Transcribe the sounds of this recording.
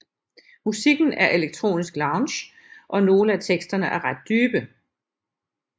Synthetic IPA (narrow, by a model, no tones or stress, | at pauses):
musiɡ̥n̩æɐʔe̝leɡ̥̚t͡sʰʁo̝̰ːnisɡ̥lɑ̈ʊnɕ | ʔɒ̽no̝ːləæt͡sʰeɡ̥sd̥ɐnəʔæɐʁad̥̚ːyːb̥ə